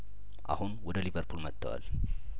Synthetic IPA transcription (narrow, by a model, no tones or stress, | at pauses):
ʔa̰hunwɔd̪əliβəɾpʰulmət̪ʰːəwa̰l